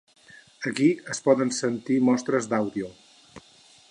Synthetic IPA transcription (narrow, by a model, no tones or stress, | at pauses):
əkiəspɔðənsənt̪imɔst̪ɾəzd̪awðio